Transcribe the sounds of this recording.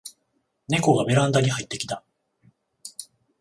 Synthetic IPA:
ne̞ko̞ɡabe̞ɾãnd̪aɲ̟iɦait̪ːe̞kʲi̥t̪a

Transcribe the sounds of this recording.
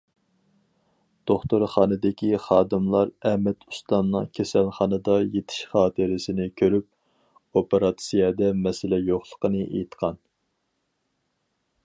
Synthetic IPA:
d̪̥oχt̪uɾχɑːnɨd̪ɪkʲʰiχɑːd̪ɨmlˠɑɾɛmɛt̪ʰu̥st̪ɑnnɨŋkʲʰɛsɛlχɑnɨd̪ɑjet̪ʰɪ̥ʃχɑːt̪ʰɨɾɪsɪnɪkʲʰøɾyp̚ | opeɾɑt̪sijɑd̪ɛmɛsɪlɛjoχlˠəqənɨʔḛjt̪qʰɑn

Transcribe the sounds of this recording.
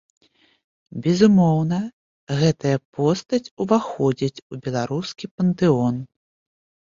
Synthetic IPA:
bʲɛzumɔwnɐ | ɣɛt̪ɐjɐpɔst̪ɐt͡sʲuvaxɔd͡zʲit͡sʲubʲɛlˠaɾuskʲipɐnt̪ɨɔn

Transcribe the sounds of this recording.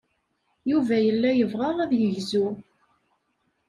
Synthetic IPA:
juvæjəlːæjəvʁɑʁˤæðjəʝzu

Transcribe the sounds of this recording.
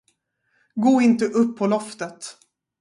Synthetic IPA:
ɡoːɪnt̪əʔɵpʰːɔlɔft̪ət̪

